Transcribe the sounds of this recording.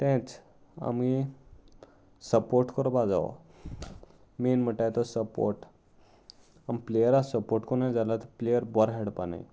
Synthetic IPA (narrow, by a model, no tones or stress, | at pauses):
t̪ɛ̃t͡s | a̰mɡi | səpoɾʈkɔɾbad͡za̰ʋɔ̰ | menm̤əʈajt̪ɔsəpo̰ɾʈ | amplejəɾasəpoɾʈkɔnãd͡zalat̪əplejəɾbɔɾɦɛɽpana̰j